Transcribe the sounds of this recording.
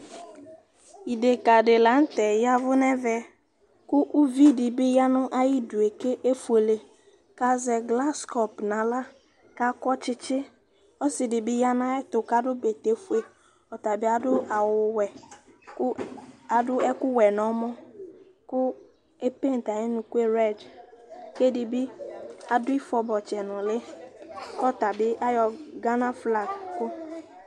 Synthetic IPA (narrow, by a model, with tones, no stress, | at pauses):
i˨de˨ka˨dɪ˨la˨˦n̩˦tɛ˨ja˦vʊ˦nɛ˦vɛ˨ | kʊ˦ʔu˦vi˦dɪ˨bɪ˦ja˦nʊ˦ʔa˦jɪ˦du˨e˨ke˦ʔe˦fu˨e˨le˨ | ka˦zɛ˨ɡla˦skɔ˨pnã˨la˦ | ka˦kɔ˦t͡ʃɪ˦t͡ʃɪ˦ | ɔ˦sɪ˨dɪ˨bɪ˦ja˦na˦ɛ˦tʊ˨ka˦dʊ˦be˨te˨fu˦e˨ | ɔ˨ta˨bɪ˦a˦dʊ˦a˨wʊ˨wɛ˨ | ka˨dʊ˦ɛ˦kʊ˦wɛ˨nɔ˨˦mɔ˦ | kʊ˦ | e˦pe˦n̩˨ta˨ɛ˦nʊ̃˨kʊ˦e˦ɾɛ˦˨d͡ʒ | ke˦dɪ˨bɪ˦a˨dʊ˦i˦fɔ˨bɔ˨t͡ʃɛ˨nʊ̃˨lɪ˦ | kɔ˦ta˨bɪ˦a˦jɔ˨ɡa˦na˦fla˨kʊ˦